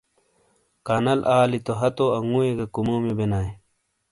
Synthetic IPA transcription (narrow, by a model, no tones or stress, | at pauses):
kanɐlʔaːlit̪oɦɐt̪oɐŋuːeɡɐkumoːmibenaːe